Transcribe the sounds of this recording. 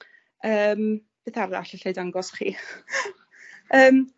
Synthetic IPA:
əːm | b̥eːθara̰ɬəɬejdaŋɡɔsχḭː | əːm

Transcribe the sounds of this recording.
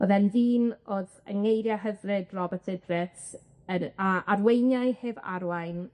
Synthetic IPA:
oðɛnðiːnoːðə̰ŋejɾjaɦəvrɪdrɔbɛtʰɪdrɪt | əaarwejnjajheːva̰ɾwajn

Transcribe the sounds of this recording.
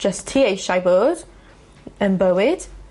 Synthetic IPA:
d͡ʒəstʰːiːejʃajbɔːd | ə̃nbəwɪd̥

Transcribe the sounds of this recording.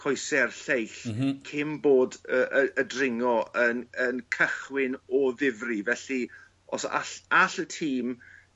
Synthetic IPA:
kʰɔjsɛrɬejɬkʰɪmboːdəʔəədrɪŋɔənənkʰəχwɪnɔðɪvrivɛɬi | ɔ̰sa̰ɬaɬətʰiːm

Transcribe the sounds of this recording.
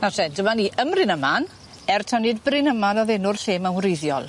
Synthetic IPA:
asɛdəmaniːʔəmrɪnəman | ɛrtʰanɨːdbrɪnəmanɔðɛnʊrɬeːmawnrɪjðjɔ̰lˠ

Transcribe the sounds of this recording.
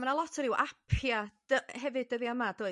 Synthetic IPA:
manalˠɔtʰəɾɪwʔa̰pʰjad̥əɦɛvɨd̚əðiəmad̥oː

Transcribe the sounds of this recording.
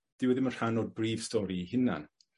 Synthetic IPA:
d̥ɪwɛðɪmənr̥anɔd̚briːv̥stɔɾihɪna̰n

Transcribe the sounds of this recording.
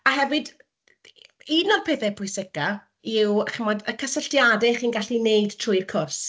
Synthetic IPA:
ahɛvɨd | inɔrpʰɪθɛpʰʊɨsɪka | iwχɪmɔdəkʰəsəɬtjadɛχiːnɡaɬinejd̥tʰrʊɨjrkʰʊrs

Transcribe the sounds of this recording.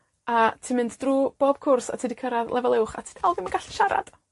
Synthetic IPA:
atʰiːmɪnddruːb̥oːb̥̚kʰʊrsa̰tʰiːdikʰəɾaðlˠʔɛvɛlˠɪwχa̰tʰi̥ːd̥alˠvɪməɡaɬə̥ʃaɾa̰d̥

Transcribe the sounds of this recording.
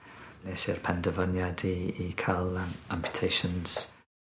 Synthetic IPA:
nesɪrpʰɛndəvənjadiːkʰalˠãmpʰjə̥tʰejʃə̃nz̥

